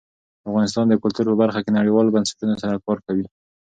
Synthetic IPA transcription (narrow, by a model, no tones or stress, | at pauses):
afɣɑnɪs̬t̪ɑnd̪əkʊlt̪uɾpəbaɾxakenaɽiwɑlobansɪ̥ʈunosaɾakɑɾkawi